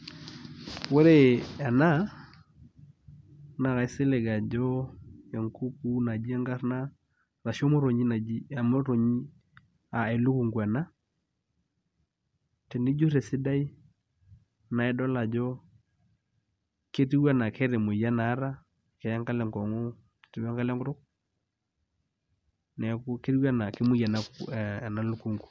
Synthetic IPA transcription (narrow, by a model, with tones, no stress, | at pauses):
we˦ɾe˦a˨na˦ | na˨ɣa˨i˦sɪ˦le˨ɡa˨d͡ʒɔ˦ɛ˨ŋku˦ku˦na˨d͡ʒi˦a˦ŋɡa˦ɾna˦ | ra˨ʃo˦mo˦ɾo˨ɲi˦na˨i˦˨mo˦ɾo˨ɲi˦ | a˨e˨lu˦ku˨ŋɡwa˨na˦ | tɛ˨ndi˦d͡ʒo˦ɾɛ˨si˦da˦i˦ | na˨ɛ˦dɔ˦la˨d͡ʒɔ˦ | ke˦ti˦wa˦na˨kʰɛ˦ɾe˨mo˨ja˦naː˨˦ɾa˦ | kɛ˨ja˦ŋka˦lɛ˨ŋkɔ˨ŋo˦˨ | ti˨˦wa˦ŋɡa˦lɛ˦ŋɡu˦ɾo˦k | nɛ˨ku˦ke˦ɾi˦wa˦na˨ke˦mu˦ija˨na˨kna˨lu˦ku˨ŋɡu˨